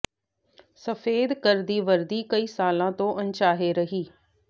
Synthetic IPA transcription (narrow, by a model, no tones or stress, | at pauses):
səfʰeːd̪kəɾd̪iːʋəɾd̪iːkəiːsaːlãt̪õːʔɐ̃nt͡ʃaːɦeɾəɦiː